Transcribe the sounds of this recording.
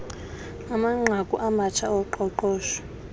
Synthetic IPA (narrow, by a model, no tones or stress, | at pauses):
amaŋ͡ǁʱakʼuʔamat͡ʃʰaɔǃɔǃɔːʃɔ̥